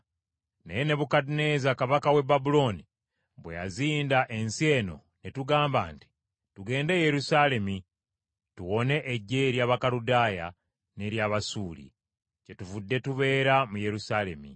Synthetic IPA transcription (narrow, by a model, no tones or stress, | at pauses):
nḛjene̞βukadine̞zakaβakawe̞babulo̞ni | βwe̞ja̰ziːndaʔe̞nsie̞ːno̞̰ | ne̞tuɡaːmba̰ːnti̥ | tuɡe̞ːnde̞je̞ɾusale̞mi | tuwo̞ne̞ʔːɟːe̞ɾjaːβakaludaːja̰ | ne̞ɾjaːβasuːlḭ | ce̞tuvudːe̞tuβe̞ːɾamuje̞ɾusaːle̞mḭ